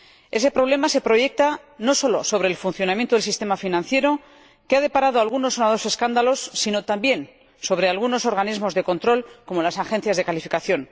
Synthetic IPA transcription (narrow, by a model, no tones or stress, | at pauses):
e̞se̞pɾo̞β̞le̞mase̞pɾo̞ʝe̞k̚t̪a | no̞so̞lo̞̰so̞β̞ɾe̞ːlfunθjo̞namjent̪oðelsist̪e̞mafinãnθje̞ɾo̞ | keað̞e̞paɾað̞oalɣunosonaðose̞skand̪alo̞sːino̞t̪ambje̞n | so̞β̞ɾe̞alɣuno̞so̞ɾɣanizmo̞zðeko̞nt̪ɾo̞lko̞mo̞lasaxẽ̞n̟θjazðe̞kalifikaθjo̞n